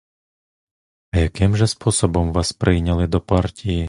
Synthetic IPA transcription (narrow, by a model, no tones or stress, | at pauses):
ɐjɐkɪmʒɛspɔsɔbɔmʋɑspɾʔɪjnʲɐlˠɪd̪ɔpɑrtʲiji